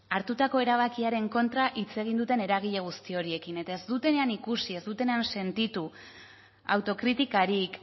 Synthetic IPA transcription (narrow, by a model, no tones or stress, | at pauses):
aɾt̪ut̪ako̞e̞ɾaβ̞akiaɾe̞ŋko̞nt̪ɾaʔit͡se̞ɣ̞ind̪ut̪e̞ne̞ɾaɣ̞iʎe̞ɣ̞ust̪io̞ɾie̞kine̞t̪ae̞zd̪ut̪e̞ne̞anikusie̞zd̪ut̪e̞neanse̞nt̪it̪u | a̰wt̪o̞kɾit̪ikaɾik